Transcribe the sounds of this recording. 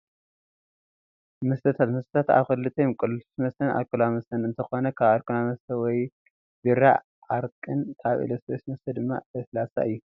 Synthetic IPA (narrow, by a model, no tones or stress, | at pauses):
mɨst̪ʰɐt̪ʰat̪mɨst̪ɐt̪ʰat̪a̰βxɨlːɨt̪ʰɐjɔmkʼɨlsmɐst̪ʰɐna̰kʰulamɐst̪ʰɐnɨnt̪ʰɐxo̞nɐkʰaβaɾkʰulamɐst̪ʰɐwɔj | biɾa̰ | ʔaɾkʼɨnkʰaβḭlosbesmɐst̪ʰɐd̪ɨmːa̰ɨslasa̰ʔɨjːu